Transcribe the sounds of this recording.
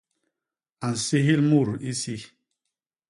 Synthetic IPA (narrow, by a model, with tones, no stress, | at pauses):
a˨n̩˨si˦ɦi˦lmu˦˨ɾi˦si˦